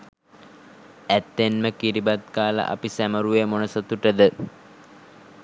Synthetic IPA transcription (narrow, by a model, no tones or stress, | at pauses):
æt̪ːenməkiɾibat̪kaːlə̰ʔa̰pisæməɾuʋemonəsət̪uʈəd̪ə